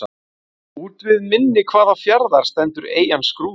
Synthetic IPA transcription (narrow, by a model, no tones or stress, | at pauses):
uːt̪vɪðmɪnːɪkʰvaːðafjaɾðaɾ̥st̪ɛnt̪ʏɾḛːjanskɾuː